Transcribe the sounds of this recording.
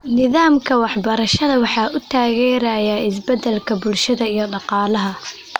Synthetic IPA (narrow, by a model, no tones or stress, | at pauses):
nɪðaːmkʰɐwɑħbɐɾɐʃɐðɐwɑħɑːʔʊt̪ʰaːɣɛːɾɐjaːɪs̬bɐd̪ːɛlkʰɐbʊlʃɐðɐijɞɖɑqɑːlɐɦɐ